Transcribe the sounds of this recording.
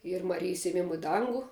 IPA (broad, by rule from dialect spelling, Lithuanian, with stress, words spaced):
ˈiːr mɐˈrʲɪjɪs eːˈmʲɪmʊ ɪ ˈdɐŋɡʊ